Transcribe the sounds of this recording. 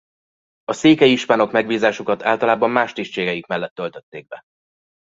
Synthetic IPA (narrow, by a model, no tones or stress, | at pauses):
ɒseːkɛjiʃpaːno̞kmɛɡbiːzaːʃukɒt̪aːlt̪ɒlaːbɒmːaːʃt̪iːʃt͡ʃeːɡɛjikmɛlːɛt̪ːø̞lt̪øt̪ːeːɡ̚bɛ